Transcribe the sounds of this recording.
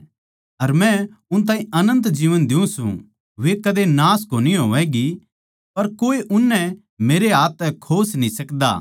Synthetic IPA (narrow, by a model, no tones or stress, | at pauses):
ɐɾmɛ̃ʊnt̪aːɦĩʔɐnə̃nt̪d͡ʒiːʋənd̪ɪũsṵ̃ | ʋekɐd̪enaːskoːniɦoːʋɛɡi | pɐɾkoːeʔʊnːɛ | meːɾeɦaːt̪ɛkʰoːsnĩsɐkd̪a̰ː